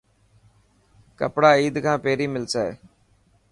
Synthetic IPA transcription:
kəpɽaːiːd̪kʰãːpeːɾiːmɪlsaːḛː

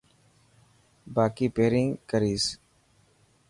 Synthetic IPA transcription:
baːkiːpeːɾĩŋkəɾiːs

